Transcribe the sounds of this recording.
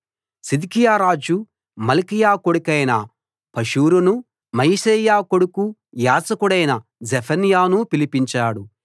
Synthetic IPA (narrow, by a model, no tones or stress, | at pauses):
sid̪ikijaːɾaːd͡ʒu | mɐlikijaːkoɽukɐjnɐ̰ | pɐʃuːɾunu | mɐjʃɐjaːko̞ɽukujaːsɐkuɽɐjnɐd͡ʒepʰɐnijaːnupilipiɲt͡ʃaːɽu